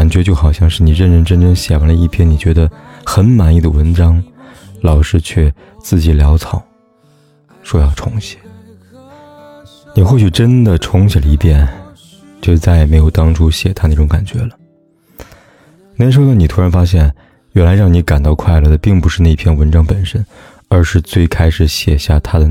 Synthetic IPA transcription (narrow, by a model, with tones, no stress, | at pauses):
ka˨˩nt͡ɕɥɛ˧˥t͡ɕjo˥˩ʊxɑ˨˩ʊɕjɑ˥˧ŋʂɻ̩˥˩ni˨˩ɻə˥˩nʈ͡ʂə˥˩nʈ͡ʂə˥nʈ͡ʂə˥ŋɕjɛ̰˨˩wa˧˥nlə˧i˥˩pʰjɛ˥˩ni˨˩t͡ɕɥɛ˧˥d̪ə˧xə˧˥nma˧˥ni˥˩d̪ə˩wə˧˥nʈ͡ʂɑ˥ŋlɑ˨˩ʊʂɻ̩˥˧t͡ɕʰɥɛ˥˩ | t͡sɹ̩˥˩t͡ɕi˨˩ljɑ˧˥ʊt͡sʰɑ˨˩˦ʊ | ʂwɔ˥jɑ˥˩ʊʈ͡ʂʰʊ̰˧˥ŋɕjɛ̥˨˩˦ | ni˨˩xwɔ˥˩ɕy˨˩ʈ͡ʂə˥nd̪ə˨ʈ͡ʂʰʊ˧˥ŋɕjɛ˨˩lə˧i˧˥˧pjɛ˥˩n | t͡ɕt͡sa˥˩ɪɛ˩me˧˥ɪjo˨˩ʊt̪ɑ˥ŋʈ͡ʂʰu˥ɕjɛ˨˩t̪ʰa˥ne˥˩ʈ͡ʂʊ˧˥ŋka˨˩nt͡ɕɥɛ˧˥lə˧ | ne˧˥ʂo˥˧ni˨˩t̪ʰu˥ɻa˧˥nfa˥ɕ̬jɛ˥˩n | wɛ˨˩nla˧˥ɪɻɑ˥˩ŋni˧˥ka˨˩nt̪ɑ˥˧ʊkʰwa˥˧ɪlɤ˥˩d̪ə˩pi˥˩ŋpu˧˥ʂɻ̩˥˧na˥˩˧i˧pʰjɛ˥˩nwə˧˥nʈ͡ʂɑ˥ŋpə˨˩nʂə˥n | ə˞˧˥ʂɻ̩˥˧t͡swe˥˩ɪkʰa˥ɪʂɻ̩˨˩ɕjɛ˨˩ɕja˥˩t̪ʰa˥d̪ə˨